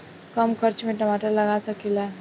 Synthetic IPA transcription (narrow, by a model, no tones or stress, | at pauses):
kəmkʰəɾt͡ʃmẽʈəmaːʈələɡasəkilaː